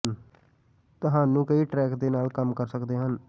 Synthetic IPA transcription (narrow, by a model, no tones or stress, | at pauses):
t̪ʊɦaːnũːkəiːʈɾɛːkd̪eːnaːlkəmkəɾsəkd̪eːɦən